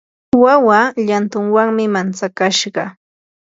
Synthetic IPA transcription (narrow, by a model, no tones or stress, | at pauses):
wawaʎant̪ʊŋwaŋmɪmant͡sakaʃɢɑ